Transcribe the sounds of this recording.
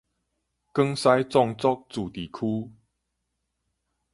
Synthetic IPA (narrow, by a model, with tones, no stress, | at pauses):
kə˦ŋsa˦jt͡sɔ˥˨ŋt͡sɔ˦k̚t͡su˨˩t̪i˨˩kʰu˦